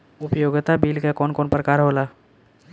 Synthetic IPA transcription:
ʊpjoːɡt̪abiːlkakɔːnkɔːnpɾəkaːɾɦola

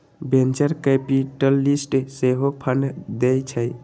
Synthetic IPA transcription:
bent͡ʃəɾkepiʈəlːisʈseɦopʰənd̪ejt͡ʃʰəj

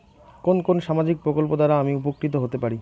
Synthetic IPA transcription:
konkonʃamad͡ʑik̚pɾokolpod̪aɾaamiupokːɾit̪oɦot̪epaɾi

